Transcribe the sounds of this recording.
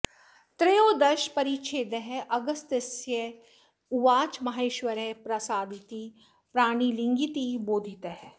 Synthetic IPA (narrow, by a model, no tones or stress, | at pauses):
t̪ɾejoːd̪ɐʃpɐɾiːt͡ʃʰeːd̪ɐɦʔɐɡɐst̪ɐsjɐ | uʋaːt͡ʃmɐɦeːʃʋɐɾepɾɐsaːd̪ʱit̪i | pɾaːɽ̃ilɪ̃ŋɡit̪iboːd̪ʱit̪ɐɦ